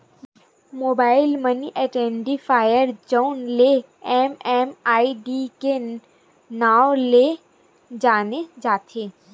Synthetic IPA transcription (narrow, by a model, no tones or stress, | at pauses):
moːbaːɪlməniʔɛʈɛ̃ːɳɖifʰaːjəɾd͡ʒoʊnle | ɛːmɛːmaːiɖike | naːole | d͡ʒaːned͡ʒaːt̪ʰeː